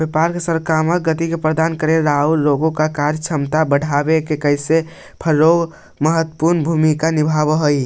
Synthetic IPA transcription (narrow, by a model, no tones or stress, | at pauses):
bepaɾkesəɾkamək̚ɡət̪ikepɾəd̪ankəɾeɾaulloɡõkakaɾjt͡ʃʰəmt̪abəɽʱabekekəjse | pʰəɾoɡ | məɦət̪ːpuɾnbʱumikanibʱabəɦoi